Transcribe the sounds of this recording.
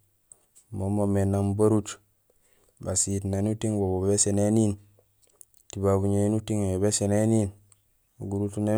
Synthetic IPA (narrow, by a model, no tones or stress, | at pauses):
momomenambaɾut͡ʃ | basitnanutiŋbobobesenenin | tibabuɲeinutiŋebesenenin | uɡuɾutune